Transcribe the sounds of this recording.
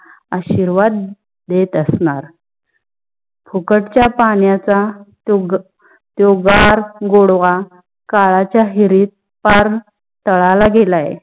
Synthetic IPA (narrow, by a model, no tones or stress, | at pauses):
aɕiɾʋad̪̚ | d̪et̪əsɳaɾ | pʰukəʈt͡ɕjapaɳjat͡sa | ɡ | t̪joɡaɾɡoɽʋa | kaɭat͡ɕjaɦiɾiːt̪̚ | paɾ | t̪əɭalaɡelajḛ